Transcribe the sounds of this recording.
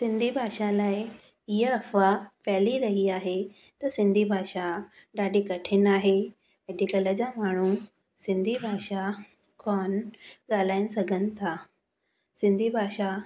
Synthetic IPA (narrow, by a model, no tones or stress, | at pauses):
sɪ̃nd̪ʱibʱaːʃalaːɪ | ɪɦəɐfapɛɦliɾɐɦiaːɦe | t̪ɐsɪ̃nd̪ʱibʱaːʃa | ɗaːɖikɐʈʰɪnaːɦe | eɗɪkələd͡ʑamaːɽ̤̃u | sɪ̃nd̪ʱibʱaːʃa | kɔːnɠaːl̤aːɪnɪsɐɡʱənɪ̆t̪ʰaː | sɪ̃nd̪ʱibʱaːʃa